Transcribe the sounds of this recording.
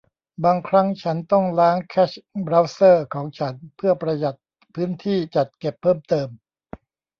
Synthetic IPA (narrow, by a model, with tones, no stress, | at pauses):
baː˧ŋkʰɾa˦˥ŋt͡ɕʰa˦˥nt̪ɔ˥˩ŋlaː˦˥ŋkʰɛː˦˥t͡ɕbɾa˦˥wsɤː˥˩kʰɔː˩˦ŋt͡ɕʰa˦˥npʰɯ˥˩ɐpɾa˧ja˨˩t̪̚ | pʰɯː˦˥nt̪ʰiː˥˩t͡ɕa˨˩t̪̚ke˨˩pʰːɤː˥˩mt̪ɤː˧m